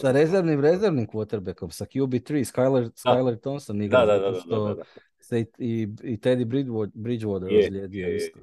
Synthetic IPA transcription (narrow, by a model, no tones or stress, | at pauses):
saɾezeɾʋnimɾe̞zeɾʋnimkʋot̪eɾbeko̞msakjubit̪ɾiːskajlˠeɾskajlˠeɾt̪onsoniɡ̪ad̪adʃo | seiiit̪ed̪ibɾiobɾid͡ʒʋod̪ɾslʲeːd̪ioist̪o